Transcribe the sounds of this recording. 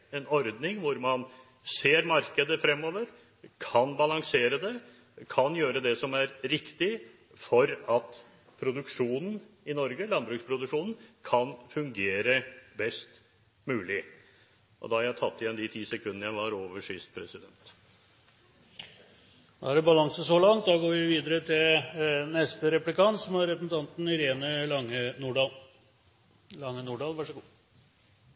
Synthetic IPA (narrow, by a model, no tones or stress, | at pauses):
ɛnɔɾd̪nɪŋʋʊɾmɑn | seːɾmɑɾkəd̪əfɾɛmːoːʋəɾ | kʰɑnbɑlɑŋseːɾəd̪ɛ | kʰɑnjøːɾəd̪ɛsɔmæɾɾɪkt̪ɪ | fɔɾɑt̪ | pʰɾʊd̪ʉkʂuːnn̩ | ɪnɔɾɡəlɑnbɾʉːkspʰɾʊd̪ʉʂuːnn̩kʰɑnfʉŋɡeːɾəbɛst̪ | mʉːlɪ | ʔɔ̰d̪ɑhɑɾjæɪt̪ʰɑt̪ːɪjɛnd̪it̪ʰiːsɛkʰʉnənəɾjæɪʋɑɾoːʋəʂʏst̪̚pʰɾɛsɪd̪ɛnt̪ | d̪ɑ̰hæɾɛbɑlɑŋsəsɔlɑŋt̪̚d̪ɑɡoːɾʋɪʋiːd̪əɾət̪ʰɪlnɛst̪əɾɛplɪkɑnt̪sɔməɾɛpəsn̩t̪ʰɑnt̪n̩ɪɾeːnəlɑŋənuːɖɑːl | lɑŋːənuːɖɑːlʋæʂəɡuː